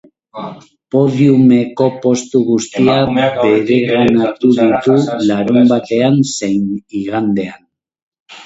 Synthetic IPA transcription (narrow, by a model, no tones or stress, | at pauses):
po̞ðjume̞ko̞po̞st̪uɣust̪iabe̞ɾe̞ɣanat̪uðit̪ulaɾumbat̪e̞anse̞jniɣand̪e̞an